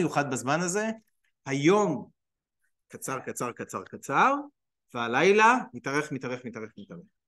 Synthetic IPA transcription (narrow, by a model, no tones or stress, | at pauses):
juχad̪̚bazmanaze̞ | hajo̞m | kat͡saʁkat͡saʁkat͡sa̰ʁkat͡saʁ | vealajlamitaʁe̞χmitaʁeχmitaʁeχmitaʁeχ